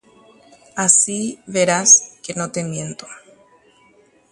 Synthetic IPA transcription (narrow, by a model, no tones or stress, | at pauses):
asiβe̞ɾaske̞no̞t̪e̞mje̞nt̪o